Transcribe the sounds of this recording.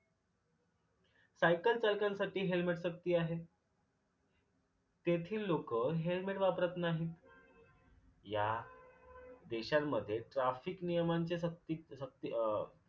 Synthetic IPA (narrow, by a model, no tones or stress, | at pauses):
sajkəlt͡salkãnsaʈiːɦelmeʈsək̚t̪iːaɦe | t̪et̪ʰiːlːokəːɦelmeʈʋapɾət̪naɦiːt̪ | ja | d̪eɕamːəd̪ʱːjeʈɾafiknijəmaɲt͡ɕesəkt̪isək̚t̪i